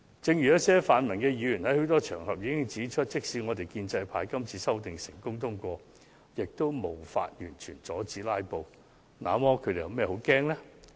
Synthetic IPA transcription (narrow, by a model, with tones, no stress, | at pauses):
t͡sɪ˧ŋjy˨jɐ˥t̚sɛː˥faː˨˧nmɐ˨˩nkɛː˧jyː˨˧jyː˨˩nhɐ˨˥jho˨˥wt̪ɔː˥t͡ʃʰœ̰ː˨˩ŋɦɐ˨p̚jiː˨˧kɪ˥ŋt͡siː˨˥t͡ʃʰɵ˥t̚t͡sɪ˥k̚si˨˧˥ŋɔː˨˧t̪e˨jkiː˧nt͡sɐ˧jpʰaː˧˥jkɐ˥mt͡sʰiː˨˥sɐ˥wt̪ɪ˨ŋsɪ˨˩ŋkʊ˥ŋt̪ʰʊ˥ŋkʷɔː˧ | jɪ˨k̚t̪o˥wmo˨˩wfa̰ː˧t̚jyː˨˩nt͡ʃʰyː˨˩nt͡sɔː˨˥t͡siː˨˥laː˥jpo˨w | na̰ː˨˧mɔː˥kʰɵ˨˧˥d̪e˨˩jɐ˨˧mɛː˥ho˨˥wkɛː˥ŋlɛː˥